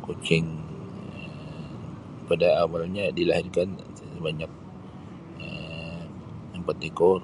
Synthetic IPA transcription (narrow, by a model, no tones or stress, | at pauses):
kot͡ʃɪŋ | ə | pədaːmalaɲadilahɪrkan | baɲak̚ | ə | əmpat̪ikɔr